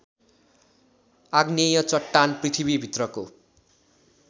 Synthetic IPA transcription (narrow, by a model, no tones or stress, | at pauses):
aɡnejʌt͡sʌʈːanprit̪ʰibibʱit̪rʌko